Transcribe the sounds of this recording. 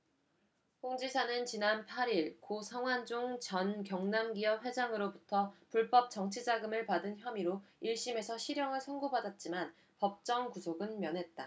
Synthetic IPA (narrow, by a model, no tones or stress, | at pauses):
ɸoŋd͡ʑisʰanɯnt͡ɕinanpʰaɾiɭkosʰaŋwand͡ʑuŋt͡ɕʌnkjʌŋnamɡiʌpɸwe̞d͡ʑaŋɯɾobutʰʌpuɭp͈ʌp̚t͡ɕ͈ʌŋt͡ɕʰid͡ʑaɡɯmɯɭpadɯnçjʌmiɾoiɭɕ͈ime̞sʰʌɕʰiɾjʌŋɯɭsʰʌnɡobadat̚t͡ɕ͈iman | pʌp̚t͡ɕ͈ʌŋkusʰoɡɯnmjʌnɦe̞t̚t͈a